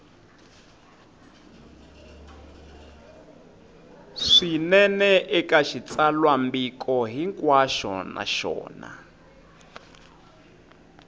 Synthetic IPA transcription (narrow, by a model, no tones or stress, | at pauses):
ʂinɛnɛʔɛkʼaʃit͡salwambikʼɔɦiŋkʼwaʃɔ̰na̰ʃɔ̰ːna̰